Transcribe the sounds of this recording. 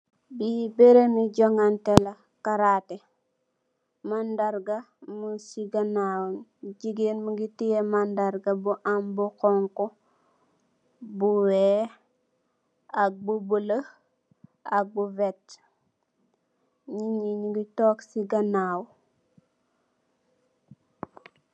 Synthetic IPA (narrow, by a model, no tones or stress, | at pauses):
bibeɾemiɟoŋantela | kaɾate | mandaɾɡa | musiɡanawunɟiɡenmuɡitijemandaɾɡabuʔambukɔŋko | buwɛ | ak̚bubulə | ak̚buvɛt | ɲiɲiɲiɡitoksiɡanaːw